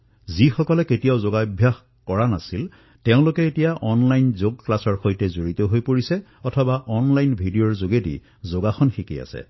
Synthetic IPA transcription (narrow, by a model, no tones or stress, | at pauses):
zixɔkɔlɛketijaʊzoɡabʱjax | kɔɹanasil | teʊ̃lʊkɛetijaʔɔnlajnzoɡ̚klasɔɹxojtɛzoɹit̪ɔɦojpoɹisɛ | ɔtʰɔbaʔɔnlajnbʱidijɔɹzoɡedḭ | zoɡaxɔnxikḭa̰sɛ̰